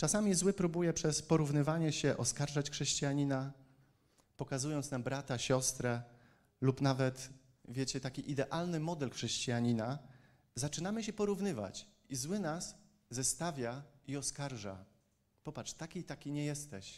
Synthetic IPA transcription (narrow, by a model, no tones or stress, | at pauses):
t͡ʂasamʲizwɘpɾubujɛpʂɛspɔɾuvnɘvaɲɛɕɛʔɔskaɾʐat͡ɕxʂɛɕt͡ɕijaɲina | pɔkazujɔnt̪snambɾat̪aɕɔst̪ɾɛ | lupnavɛt̪ | vʲjɛt͡ɕɛt̪akʲiʔid̪ɛʔalnɘmɔd̪ɛlxʂɛɕt͡ɕijaɲina | zat͡ʂɘnamɘɕɛpɔɾuvnɘva̰t͡ɕ | izwɘnas | zɛst̪avʲjaiɔskaɾʐa̰ | pɔpat͡ʂt̪akʲit̪akʲiɲɛjɛst̪ɛɕ